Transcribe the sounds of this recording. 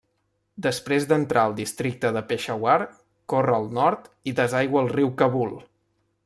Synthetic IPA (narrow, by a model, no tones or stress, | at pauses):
d̪əspɾezd̪ənt̪ɾʔaəlˠd̪ist̪ɾik̚t̪əðəpeʃəwaɾ | korəːlˠnɔɾt̪iðəzajɣwəːlˠriwkəβulˠ